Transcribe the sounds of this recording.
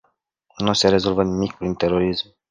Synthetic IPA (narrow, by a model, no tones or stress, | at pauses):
nuse̞ɾe̞zo̞lvənimikpɾint̪e̞ɾo̞ɾism